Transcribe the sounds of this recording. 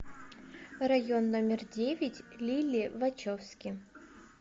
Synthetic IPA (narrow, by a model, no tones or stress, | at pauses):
rɐjonːomʲɪrdʲevʲɪtʲlʲilʲɪvɐt͡ɕofsʲkʲɪ